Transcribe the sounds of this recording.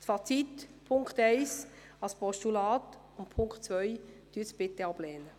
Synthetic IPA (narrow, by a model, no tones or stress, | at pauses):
tfɑt͡sitpʰʊŋkχtɛɪs | ɑlspʰɔʃtulaːt | ʊnpʰʊŋktt͡svœjd̪̥yːsb̥ɪteɑb̥lɛːnə